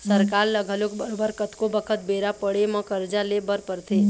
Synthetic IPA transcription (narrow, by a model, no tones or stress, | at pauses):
səɾkaɾləɡʱəlokbəɾobəɾkət̪kobəkʰət̪̚beɾapəɽemə̃kəɾd͡ʒalebəɾpəɾt̪ʰe